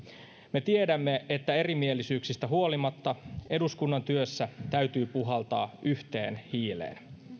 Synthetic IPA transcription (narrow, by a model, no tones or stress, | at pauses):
me̞t̪iedæmːe̞ʔet̪ːæe̞rimielːisyːksist̪æɦuo̞limɑt̪ːɑʔe̞duskunːɑnt̪yøsːæt̪æyt̪yːpuɦɑlt̪ɑːʔyht̪e̞ːnhiːlḛːn